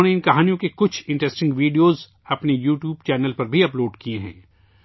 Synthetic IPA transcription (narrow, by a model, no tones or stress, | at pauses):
neɪnkɐɦaːnijõkekʊt͡ʃʰɪ̃ɳʈɾɛsʈɪ̃ŋɡʋiːɖioːz | ɐpnejuːʈjuːbt͡ʃɛːnəlpɐɾbʱiɐploːɖkieɦɛ̰̃ː